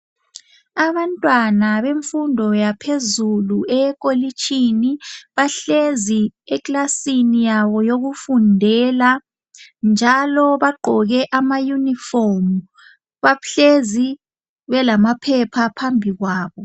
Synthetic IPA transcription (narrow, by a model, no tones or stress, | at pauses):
aβantʼwanaβeɱfundʱɔjapʰezuluɛk̬ʼolit͡ʃʰʼiniβaɬeziɛklasinijaβɔjoɣufundʱɛla | nd͡ʒʱalɔβaɡ͡ǃʱɔɣɛʔamajunifomu | βaɬezi | βɛlamapʰɛpʰapʰambʱiɣwaːβɔ